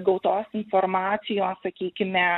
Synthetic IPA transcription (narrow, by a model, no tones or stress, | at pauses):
ɡɐʊt̪oːsɪnfoɾmɑːt̪sʲɪjoːssɐkʲiːkʲɪmʲɛ